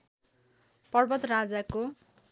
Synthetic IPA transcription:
pʌrbʌt̪rad͡zako

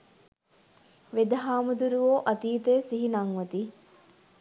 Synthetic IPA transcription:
ʋed̪ɐɦaːmud̪uɾuʋoːʔɐt̪iːt̪ejːsiɦinɐŋʋɐt̪i

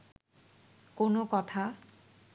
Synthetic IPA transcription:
konokɔt̪ʰa

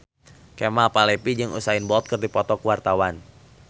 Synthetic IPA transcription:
kemapalɛpid͡ʒɨŋṵsaɪnbɔlt̪̚kɨrdipɔt̪ɔkəwart̪awan

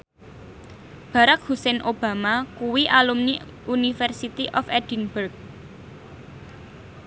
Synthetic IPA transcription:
b̥ä̤ɾak̚husɛnʔob̥a̤makuwiʔalumni | unifɛrsit̪iʔɔfɛd̥inburɡ̚

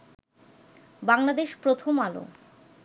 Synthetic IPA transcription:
baŋlad̪eʃpɾot̪ʰomalo̰

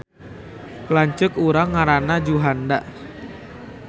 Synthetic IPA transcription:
klaɲt͡ʃʊkuɾaŋːaɾanad͡ʒuɦandaʔ

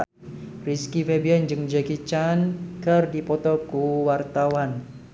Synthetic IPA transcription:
riskifebiand͡ʒɨŋd͡ʒakit͡ʃankərdipɔt̪ɔkuwart̪awan

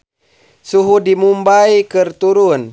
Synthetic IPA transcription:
suɦudimumbaikərt̪uɾun

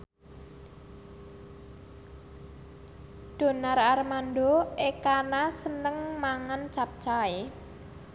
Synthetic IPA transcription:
d̪̥o̤nararmandoʔekanasənəŋmaŋant͡ʃap̚t͡ʃae

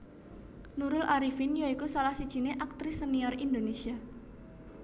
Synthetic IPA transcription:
nuɾʊlʔaɾifɪnjaikusalahsid̥ʒ̥i̤neʔak̚t̪ɾɪsəniɔrind̪onesia

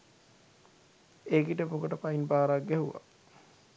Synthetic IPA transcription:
eːkiʈəpokəʈəpainbaːɾaɡɡɛɦuʋa̰

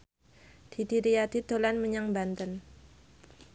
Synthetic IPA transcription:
d̪̥idiɾiad̪id̪̥o̤lanməɲaŋbant̪ən

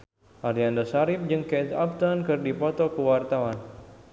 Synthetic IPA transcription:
ʔaɾiandasaɾɪp̚d͡ʒɨŋkɛt̪ap̚t̪ɔnkɨrdipɔt̪ɔkəwart̪awan

